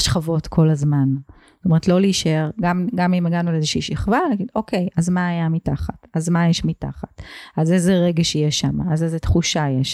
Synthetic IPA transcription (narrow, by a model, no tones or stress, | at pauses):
ʃχavo̞tkʰo̞lazman | tomeetlo̞liʃeʁɡamɡamimeɡanualezeʃiʃiχvanaɡido̞kʰe̞jʔazmaːjamitaχatazmajeʃmita̰χatazezeʁeɡeʃijɛʃamaːzezetχuʃajeʃ